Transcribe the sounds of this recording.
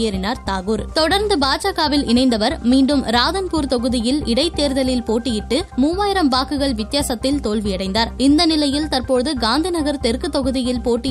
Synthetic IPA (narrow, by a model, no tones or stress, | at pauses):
jɐɾɪnaːɾt̪aːɣuːɾt̪ɔɽɐɾnd̪ɯbaːt͡ʃaːɣaːʋɪlɪɳɐɪnd̪ɐʋɐɾmiːɳɖɯmɾaːðɐnpuːɾt̪ɔɣɯðɪjɪlɪɽɐɪt̪ːeːɾðɐlɪlpoːʈːɪjɪʈːɯmuːʋaːjɪɾɐmbaːkɯɣɐɭʋɪt̪ːjaːsɐt̪ːɪlt̪oːlʋɪjɐɽɐɪnd̪aːɾɪnd̪ɐnɪlɐjɪlt̪ɐɾpoːðɯɡaːnd̪ɪnɐɣɐɾt̪ɛɾkɯt̪ɔɣɯðɪjɪlpoːʈːɪ